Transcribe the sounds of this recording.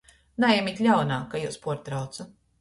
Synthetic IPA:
najɛmit̪ʲlʲawnaːkajuwspuɔɾt̪ɾawt̪su

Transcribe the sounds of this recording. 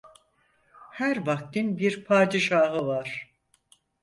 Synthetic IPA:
hæɾbak̚t̪ʰinbiɾpʰaːd̪iʃaːɦɯvaɾ̥

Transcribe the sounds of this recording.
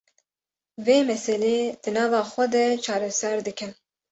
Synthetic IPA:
veːmɛsɛleːd̪̥ɨnɑːvɑːxʷɛd̪ɛt͡ʃʰɑːɾɛsɛɾd̪ɨkɨn

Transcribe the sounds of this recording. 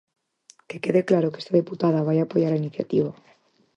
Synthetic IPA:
ke̞ke̞ðeklaɾokeest̪að̞iput̪að̞aβ̞ajapoʝaɾainiθja̰t̪iβa

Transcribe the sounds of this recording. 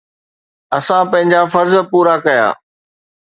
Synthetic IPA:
ɐsãpɐ̃ɦɪ̃ɲd͡ʑafɐɾzpuːɾakɐja̰ː

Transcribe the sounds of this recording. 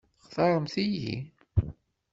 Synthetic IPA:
χθɑɾˤəmθijḭ

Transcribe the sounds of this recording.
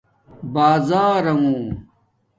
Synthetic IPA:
baːzaːɾɐŋũː

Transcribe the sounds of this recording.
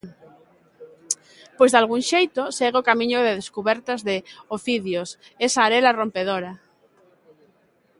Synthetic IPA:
pojzðalɣ̞uŋʃejt̪osɛɣeokamĩɲʊðeðeskuβɛɾt̪azðɪofiðjosesaːɾelarompeð̞oɾa

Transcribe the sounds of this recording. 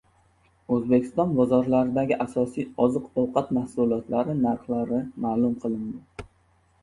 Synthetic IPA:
ɵzbekʲʰɪ̥st̪ɒnbɒzɒɾlaɾɪd̪aɡʲɪʔasɒsijɒzɨqɒwqʰɑt̪mahsʊlˠiɒt̪laɾɪnaɾχlaɾɪmaːlˠʊmqʰɨlˠɪnd̪ɪ

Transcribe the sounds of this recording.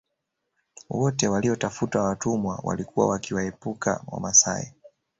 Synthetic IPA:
wɔtɛwaliɔtafutawatumwa̰wa̰likuwa̰wakiwaɛpuka̰wa̰masa̰ɛ

